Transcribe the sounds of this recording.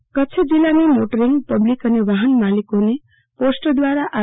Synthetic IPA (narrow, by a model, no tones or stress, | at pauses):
kʌtːt͡sʰed͡zilːanemoʈəɾiŋɡpʌblikʌneʋaɦənmalikone | posʈʌd̪waɾaʔa